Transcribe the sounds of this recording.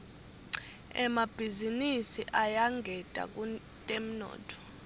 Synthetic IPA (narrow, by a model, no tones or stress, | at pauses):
ɛ̰mab̥ʱizinisiʔajaŋʱɛd̥ʼa̰k̬ʼu | tʼem̩nɔ̰ːtʰɔ̥